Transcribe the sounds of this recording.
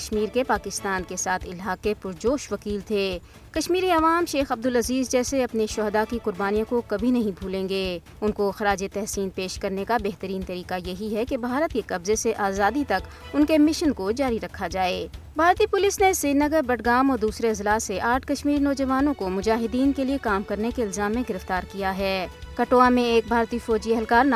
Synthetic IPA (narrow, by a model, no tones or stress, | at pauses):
ʃmiːɾkepaːkɪst̪aːnkesaːt̪ʰɪlɦaːkepʊɾd͡ʒoːʃʋɐkiːlt̪ʰeː | kɐʃmiːɾiɐʋaːmʃeːxɐb̚d̪ʊlɐziːzd͡ʒɛːseɐpneʃɔːɦd̪akiqʊɾbaːnijõkokɐbʱinɐɦĩbʱuːlẽːŋɡeː | ʊnkoxɐɾaːd͡ʒet̪ɛɦsiːnpeːʃkɐɾnekabɛɦt̪əɾiːnt̪ɐɾiːqajɐɦiɦɛkebʱaːɾət̪kekɐbzeseʔaːzaːd̪it̪ɐk | ʊnkemɪʃənkod͡ʒaːɾiɾɐkʰad͡ʒaːeː | bʱaːɾt̪ipʊlɪsneseːnɐɡəɾbɐʈʰɡaːmɔːɾd̪uːsɾeɪzlaːseʔaːʈ̚ʰkɐʃmiːɾnɔːd͡ʒɐʋaːnõkomʊd͡ʒaːɦɪd̪iːnkeliekaːmkɐɾnekeɪlzaːmːẽɡɪɾəft̪aːɾkijaɦɛːkɐʈoːamẽeːk̚bʱaːɾt̪ifɔːd͡ʒiɛɦɛlkaːɾn